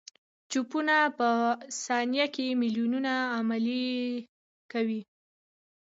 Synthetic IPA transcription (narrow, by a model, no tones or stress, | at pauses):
t͡ʃupunapəsɑnjakemiljununaːmali | kawi